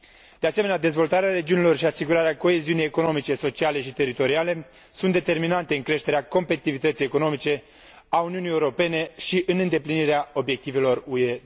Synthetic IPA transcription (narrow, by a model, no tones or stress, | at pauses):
d̪̥easeme̞nead̪e̞zvo̞lt̪aɾeaɾe̞d͡ʒiunilo̞rʃiasiɡuɾaɾeako̞e̞ziunijeko̞no̞mit͡ʃe̞so̞t͡ʃiale̞ʃit̪e̞ɾit̪o̞ɾiale̞ | sunt̪d̪et̪e̞rminant̪e̞ɨŋkɾe̞ʃt̪e̞ɾeako̞mpet̪it̪ivit̪ət̪sijeko̞no̞mit͡ʃe̞ | auniunijeuɾo̞pe̞ne̞ʃiʔɨnɨnd̪e̞pliniɾeao̞bje̞k̚t̪ive̞lo̞rue̞